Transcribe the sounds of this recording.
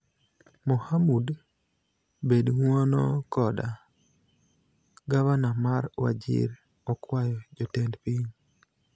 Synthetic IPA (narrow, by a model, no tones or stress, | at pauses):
mɔhamud | bedŋwonɔkɔda | ɡaβanamaɾwa̰d͡ʒɪ̰ɾ | ɔkwajɔd͡ʒɔtɛndpiɲ